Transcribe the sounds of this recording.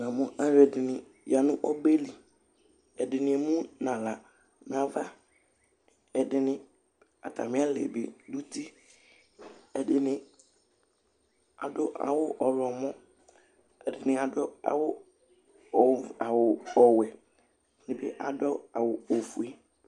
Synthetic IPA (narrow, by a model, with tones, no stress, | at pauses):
nã˨mʊ̃˦ʔa˦ɾɛ˨dɪ˨nɪ̃˨ | ja˨nʊ̃˦ʔɔ˦be˦li˨ | ɛ˨dɪ˨nɪ̃˨ɛ˨mũ˦nã˨la˨ | n˨ã˨va˦ | ɛ˨dɪ˨nɪ̃˦ | a̰˨tʰa̰˨mɪ̃˦a˦lɛ̰˨bḛ˨du˦ti˦ | ɛ˨dɪ˨nɪ̃˨ | a˨dʊ˦ʔa̰˨wʊ˦ʔɔ˨ɾɔ˨mɔ̃˦ | ɛ˨dɪ˨nɪ̃˨a˨dɔ˦a̰˨wʊ˦˨ | a˨wʊ˨ɔ˨wɛ˨ | nɪ̃˨bɛ˦ʔa˨dɔ˦a˨wʊ˨o˨fu˨ɛ˦